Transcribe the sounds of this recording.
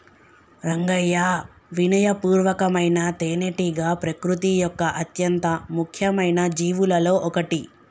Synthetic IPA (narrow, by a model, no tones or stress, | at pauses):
ɾɐŋɡɐjaː | ʋinɐjɐpuːɾʋɐkɐmɐjnɐt̪eːneʈiɡaːpɾɐkɾut̪ijɔkːɐʔɐt̪jɐnt̪ɐmukʰjɐmɐjnɐd͡ʒiːʋulɐlo̞ːʔɔkɐʈi